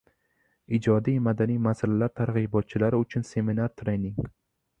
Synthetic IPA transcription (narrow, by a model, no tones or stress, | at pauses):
id͡ʒɒd̪ijmad̪anijmasalalaɾt̪ʰaɾʁibɒt̪̚t͡ʃʰɪlaɾɪʊt͡ʃʰʊnse̞minaɾt̪ʰɾenɪŋ